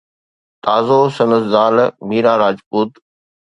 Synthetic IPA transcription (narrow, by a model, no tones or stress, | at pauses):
t̪aːzosɐnəsd̪aːlmiːɾaːɾaːd͡ʒpuːt̪